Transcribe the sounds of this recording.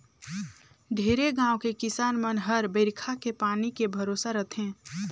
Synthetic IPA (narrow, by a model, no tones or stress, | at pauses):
ɖʱeːɾeɡãːwkekɪsaːnmənɦəɾbəɾkʰakepaːnikebʱəɾosaɾət̪ʰɦɛ̃ː